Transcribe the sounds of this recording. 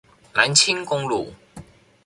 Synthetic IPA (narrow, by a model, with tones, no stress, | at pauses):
na˨˦nt͡ɕʰi˦˥ŋkʊ˧ŋlṵ˨˩